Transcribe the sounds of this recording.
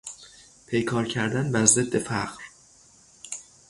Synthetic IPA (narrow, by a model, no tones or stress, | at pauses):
pʰe̞jkʰɒːɾcʰæɾd̪ænbæzed̪ːe̞fæɣ̥ɾ